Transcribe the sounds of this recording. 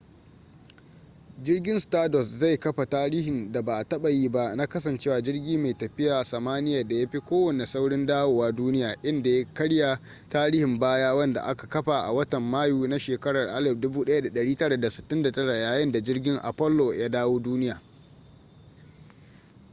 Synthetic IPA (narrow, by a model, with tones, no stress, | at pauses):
d͡ʒɪ˦rɡʲɪ˦nstaː˦dɔ˨sza˦˨jkɐ˦ɸa˨taː˦ɽiː˦hɪ˨nda˨ba˨ʔa˨tɐ˦ɓa˨jiː˦ba˦ʔna˦kɐ˦s̬ɐ˨nt͡ʃeː˦waː˨d͡ʒɪ˦rɡʲiː˦ma˨jtɐ˨ɸɪ˦jaː˨sɐ˨maː˦nɪ˦jaː˨da˨ja˦ɸi˦kʷoː˦wɐ˨ne˨sa˦wɽɪ˦ndaː˦woː˦˨waː˦duː˦nɪ˦jaː˨ʔɪ˦nda˨ja˦kɐ˦ɽja˨ | taː˦ɾiː˦hɪ˨mbaː˦jaː˦wɐ˦nda̰˨ʔa˦ka˨kɐ˦ɸa˨ʔa̰˨wɐ˦tɐ˨mːaː˦juː˦na˦ʃeː˨kɐ˦ɽɐ˨rʔa˦lɪ˨p̚dʊ˦buː˦ɗɐ˦ja˦da˨ɗɐ˨ɽiː˦tɐ˦ɽa˨da˨sɪ˨tːɪ˦nda˨tɐ˦ɽa˨jaː˨jɪ˦nda˨d͡ʒɪ˦rɡʲɪ˦ŋʔa̰˨pɔ˦lːo˨ja˦daː˦woː˦duː˦nɪ˦jaː˨